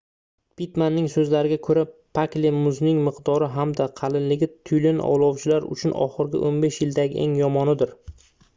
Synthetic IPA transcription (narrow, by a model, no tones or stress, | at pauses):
pit̪manːɪŋsɵzlaɾɪɡʲakʰɵɾapʰaklemʊznɪŋmɪqd̪ɒɾɪɦamd̪aqʰɑlɪnlːɪɡʲɪt̪ʰʊjlɪnʔɒ̰wlˠɒwt͡ʃʰɪlaɾʊ̰t͡ʃʰʊnɒ̰χɨɾɡʲɪ̰ʔonbe̞ʃjɪld̪aɡʲɪʔe̞̰ŋjɒmɒnɪd̪ɪɾ